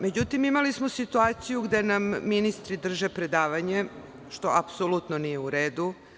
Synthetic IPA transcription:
me̞d͡ʑut̪imimalismosit̪uaːt̪sijuɡd̪e̞namːinist̪ɾid̪r̩ʒepɾe̞d̪aːʋaɲe̞ | ʃt̪o̞apsolut̪nonije̞uɾeːd̪u

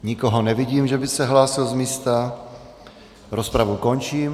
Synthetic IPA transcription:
ɲɪkoɦonɛvɪɟiːmʒɛbɪsɛɦlaːsɪlzmiːst̪a | ɾospɾavukont͡ʃiːm

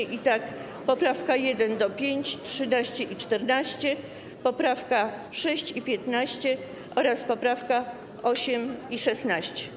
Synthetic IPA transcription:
ʔit̪ak | pɔpɾafkajɛd̪ɛnd̪ɔpʲjeɲt͡ɕtʂɘnaɕt͡ɕɛʔit͡ʂt̪ɛɾnaɕt͡ɕɛ | pɔpɾafka | ʂɛɕt͡ɕipʲjɛt̪naɕt͡ɕɛ | ʔɔɾaspɔpɾafka | ɔɕɛmiʂɛsnaɕt͡ɕɛ̥

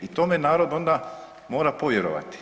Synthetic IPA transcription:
it̪oːmenaːɾo̞d̪o̞nd̪a | mo̞ːɾapoʋjeɾo̰ʋa̰t̪i̥

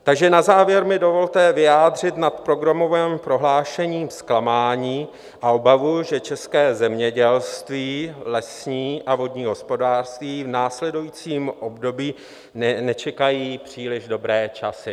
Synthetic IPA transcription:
t̪aɡʒɛnazaːvjɛɾmɪdo̞vo̞lt̪ɛvɪjaːd̪r̝ɪt̪nat̪pɾo̞ɡɾamo̞vɛːmpɾo̞ɦlaːʃɛɲiːmsklamaːɲiː | ʔaʔobavuʒɛt͡ʃɛskɛːzɛmɲɛɟɛlst̪viːlɛsɲiːʔavo̞dɲiːɦo̞spo̞daːr̥st̪viːvnaːslɛdujit͡siːmʔo̞bdo̞biː | nnɛt͡ʃɛkajiːpr̝̥iːlɪʒdo̞bɾɛːt͡ʃasɪ

